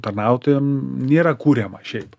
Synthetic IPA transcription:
t̪ɐrnɑʊt̪ʲɪmnʲeːɾɐkuːɾʲɛmɐʃʲɛɪp

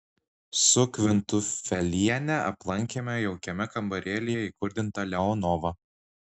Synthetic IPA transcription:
sʊkʋʲɪnt̪ʊfʲɛlʲiɛnʲɛʔɐ̰plˠɐŋʲkʲemʲɛjɛʊkʲɛmʲɛkɐmbɐɾʲeːlʲɪjɛikʊɾʲd̪ʲɪnt̪ɐlʲɛɔnɔːʋɐ

